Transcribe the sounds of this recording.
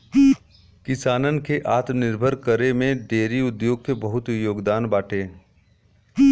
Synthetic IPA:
kɪsaːnənkeʔaːt̪mnɪɾbʱəɾkəɾemẽɖeːɾiʊd̪joːɡ̚kebɐɦʊt̪joːɡd̪aːnbaːʈʰeː

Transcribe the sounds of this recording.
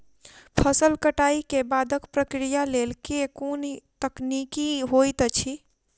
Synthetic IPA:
pʰəsəlkəʈaikebad̪ʱəkpɾəkɾijalelkekont̪əknikiɦojt̪t͡ʃʰi

